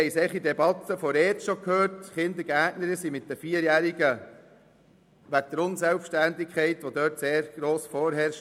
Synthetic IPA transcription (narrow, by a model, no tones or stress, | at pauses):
ɛɪsɛχid̪ɛbɑt̪ːəfɔɾɛt͡sʃokʰhøːɾtχɪnd̪əɾɡ̥æːknəɾəsimɪt̚dəfiəɾjæːɾiɡə | ʋæt̪əɾʊnsɛlfʃtændɪkχɛɪt̪ʋod̪œːtseːɾɡ̥ɾoːsfɔːɾɦɛɾʃ